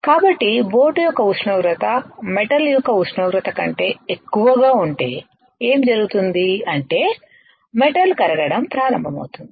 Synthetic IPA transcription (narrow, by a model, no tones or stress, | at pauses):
kaːbɐʈːibo̞ːʈujɔkːɐuʃɳoːɡɾɐt̪ɐmeʈɐljɔkːɐusɳoːɡɾɐt̪ɐkɐ̰ɳʈe̞ːekːuʋɐɡaːuɳʈe̞̰ː | eːmd͡ʒɐɾuɡut̪und̪iɐɳʈe̞ː | meʈɐlkɐɾɐɡɐɽɐmpɾaːɾɐmbʱɐmɐ̰wt̪und̪i̥